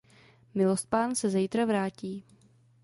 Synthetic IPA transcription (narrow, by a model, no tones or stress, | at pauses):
mɪlost̪̚paːnsɛzɛjt̪ɾavɾaːciː